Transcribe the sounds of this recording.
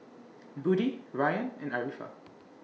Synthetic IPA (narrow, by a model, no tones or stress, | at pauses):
budiɹajə̃nɛ̃naɹifa̰